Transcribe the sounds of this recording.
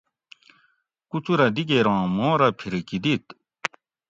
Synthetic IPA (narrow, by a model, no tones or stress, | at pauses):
kut͡sʰuɾad̪ik̬eɾɑŋmɔ̃ɾapʰeɾkid̪it̪̚